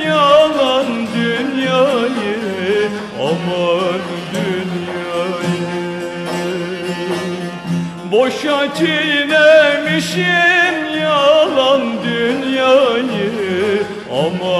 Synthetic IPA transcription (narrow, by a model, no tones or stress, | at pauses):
jalˠand̪ynjajɯ | ɑmɑn | d̪ynjajɯ | boʃat͡ʃʰijnɛmiʃinjaalˠand̪ynjajɯ | ɑmɑ